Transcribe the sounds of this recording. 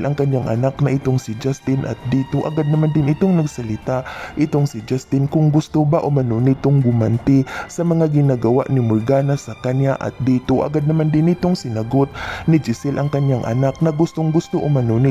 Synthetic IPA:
lʔɐŋkɐɲjaŋʔɐ̰naknɐʔɪt̪oŋsɪd͡ʒast̪ɪnʔɐ̰t̪̚d̪iːt̪oʔɐ̰ɡad̪̚nɐmand̪ɪnʔɪt̪oŋnɐɡsɐlɪt̪aʔʔɪt̪oŋsɪd͡ʒast̪ɪnkʊŋɡʊst̪obaʔʊmanonɪt̪oŋɡʊmant̪ɪsɐmɐŋaɡɪnaɡɐwa̰ʔnɪmʊɾɡaːnasɐkɐɲjaʔɐ̰t̪̚d̪iːt̪oʔɐ̰ɡad̪̚nɐmand̪ɪnʔɪt̪oŋsɪnaɡot̪̚nɪd͡ʒɪsɪlʔɐŋkɐɲjaŋʔɐ̰nak̚nɐɡʊst̪oŋɡʊst̪oʔʊmɐnonɪ

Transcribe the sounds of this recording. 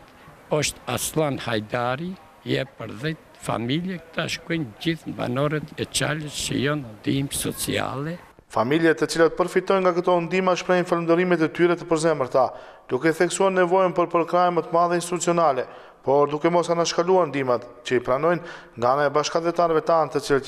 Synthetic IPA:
ɔʃt̪a̰slˠanhajd̪aɾi | jɛpəɾðɛt̪ | fa̰miljɛkt̪aʃkɔjnɟiθmba̰nɔɾɛt̪ɛt͡ʃaləst͡ʃə̰jɔnd̪imsɔt͡sḭa̰lɛ | familjat̪ət͡silat̪̚pəɾfit̪ɔjnŋɡakət̪ɔnd̪imaʃpɾɛjnfalənd̪ɔɾimɛt̪ɛt̪yɾɛt̪əpəɾzɛməɾt̪a | d̪̥ukɛθɛksuaɾnɛvɔjnpəɾpəɾkɾajmət̪əmaðɛinst̪it̪ut͡siɔnalɛ | pɔɾd̪ukɛmɔsanaʃkaluaɾnd̪imat̪cəipɾanɔjn | ŋɡaanaɛbaʃkavɛt̪anvɛt̪ant̪ət͡sila

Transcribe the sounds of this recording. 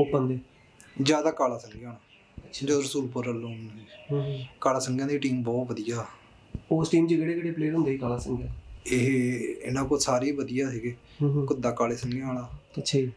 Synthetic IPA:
oːpənd̪eː | d͡ʒjaːd̪aːkaːlaːsəŋɡeaːɽaː | d͡ʒaɾəsuːlpəɾəlːʊniːkaːlaːsəŋɡjãːiːʈiːmbɔːt̪ʋəd̪ɪjaː | oːsʈiːmt͡ʃeːɡeɽeːɡəɽeːpleːɾɦʊ̃nd̪eːiːkaːlaːsəŋɡaːeɦɪ̰nãːkosaːɾiːʋəd̪ɪjaːsiːɡeː | kʊd̪aːkaːleːsəŋɡeːaːɽãːətːʃʰːi

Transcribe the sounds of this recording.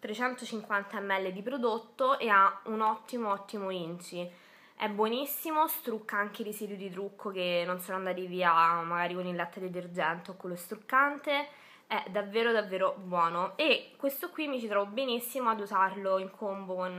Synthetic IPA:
t̪ɾet͡ʃɛnt̪ot͡ʃiŋkwant̪aɛmːɛlːed̪ipɾod̪ot̪ːoʔeaunɔt̪ːimoɔt̪ːimoint͡ʃi | ɛbːwɔnisːimost̪ɾukːaaŋk̟eirisiːd̪jid̪it̪ɾukʰːokenːonsoːnoand̪aːt̪iviːamaɡaːɾikonilːat̪ːed̪et̪erd͡ʒɛnt̪eokːolːost̪ɾukːant̪e | ɛd̪avːeːɾod̪avːeːɾobwɔːnoekːwest̪okwimːit͡ʃit̪ɾɔvobenisːimoad̪uzarloiŋkʰombokon

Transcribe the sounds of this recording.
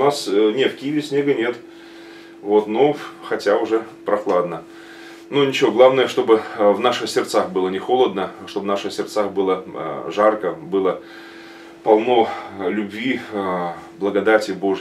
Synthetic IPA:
ʊnasnʲet̪fkʲijɪvʲɪsʲnʲe̞ɡənʲe̞t̪ | vo̞t̪noxɐtʲaʊʐɛpɾɐxlˠad̪nə | nunʲɪt͡ɕɪvoɡlˠavnəjəʂt̪o̞bɨvnaʂɨxsʲɪrt̪saxbɨlˠənʲɪxo̞lˠəd̪nəʂt̪o̞bvnaʂɨxsʲɪrt̪saxbɨlˠə̰ʐarkəbɨlˠə | pɐlˠno̞lʲʊbʲvʲi | blˠəɡɐd̪atʲɪbo̞ʐ

